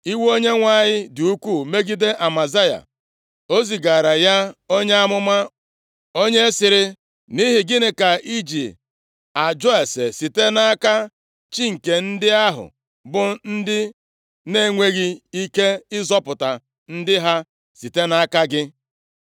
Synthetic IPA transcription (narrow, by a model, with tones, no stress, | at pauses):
i˦wo˦ɲe˦ŋʷa˦˨ɲɪ˦dʊ˨u˦kʷu˦˨me˦ɡi˦de˦ʔa˨ma˨za˦ja̰˨ | o˦zi˨ɡa˨ɾa˨ja˦o˦ɲe˦a˦mʊ˦ma˦ | o˦ɲe˦sɪ˨ɾɪ˦ | ni˦ɦɪ˨ɡɪ˦nɪ˦ka˨ʔi˦d͡ʒi˨ | a˨d͡ʒɔ˦e˨se˨si˨te˦na˦ka˦ | t͡ʃi˦ŋ̩˨ke˨n̩˦dɪ˦a˦ɦʊ̰˨ | bʊ˦n̩˦dɪ˦ | ne˦˨ŋʷe˦ɣi˦i˦ke˦ɪ˦zɔ˦pʊ˨ta˨ | n̩˦dɪ˦ɦa˦ | si˨te˦na˦ka˦ɡɪ˦